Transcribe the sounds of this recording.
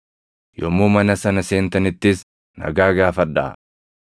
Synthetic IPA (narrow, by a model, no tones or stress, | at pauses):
jɔmːuːmɐnɐsɐnɐseːnt̪ɐnɪt̪ːɪs | nɐ̰ɡaːɡaːfɐd̪ːɐ̰